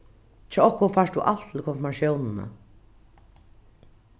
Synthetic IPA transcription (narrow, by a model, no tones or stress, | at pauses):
t͡ʃʰɛɔhkʊnfaʂd̪ṵʔal̥t̪ʰɪlkʰɔnfɔɾmaʃjownɪna̰